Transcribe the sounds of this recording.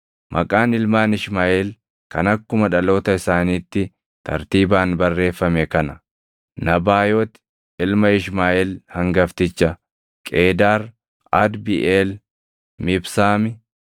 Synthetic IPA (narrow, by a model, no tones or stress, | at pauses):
mʔɐkʼaːnɪlmaːnɪʃmaːʔɛl | kɐnɐkːʊmɐᶑɐlo̞ːt̪ɐɪsaːniːt̪ːɪ | t̪ʰɐ̰ɾt̪iːbaːnbɐrːe̞ːfːɐmɛkɐnɐ̥ | nɐbaːjoːt̪ | ɪlmɐɪʃmaːʔɛlhɐŋɡɐft̪ɪt͡ʃːɐ | kʼe̞ːd̪aːɾ | ɐd̪biʔeːl | mɪbsaːmɪ